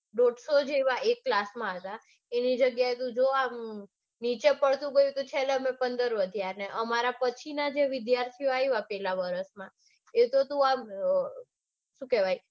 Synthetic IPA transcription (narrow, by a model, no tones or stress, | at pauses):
ɖoɖsod͡ʒeʋaʔekːlasmãɦət̪a | enid͡ʒəɡjaet̪ũd͡ʒoam | nit͡ʃepəɭt̪ũɡəjũt̪ut͡ʃʰeleəmẽpənd̪əɾʋəd̪ʱijaɾneʔəmaɾapət͡ʃʰinad͡ʒeʋɪd̪jaɾt̪ʰioajʋapɛlaʋəɾəsmã | et̪ot̪ũam | ʃũkɛʋaj